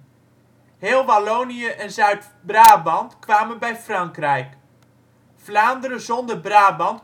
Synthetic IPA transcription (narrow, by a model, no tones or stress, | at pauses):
ɦeːlˠʋalownijəʔɛnzœɥt | braːbɑntkʋaːmənbɛjfrɑŋkrɛjk | flaːndəɾəzɔndərbraːbɑnt